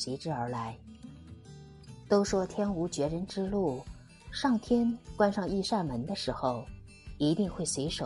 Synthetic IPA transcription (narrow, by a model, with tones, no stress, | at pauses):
ɕi˧˥ʈ͡ʂɻ̩˥˩ə˞˧˥la˧˥ɪ | t̪o˥ʊʂwɔ˥t̪ʰjɛ˥nu˧˥t͡ɕɥɛ˧˥ɻə˧˥nʈ͡ʂɻ̩˥lu˥˩ | ʂɑ˥˩ŋt̪ʰjɛ˥nkwa˥nʂɑ˥˧ŋi˥˧ʂa˥˩nmə˧˥nd̪ə˧ʂɻ̩˧˥xo˥˧ʊ | i˧˥t̪i˥˧ŋxwe˥˩ɪswe˧˥ɪʂo˨˩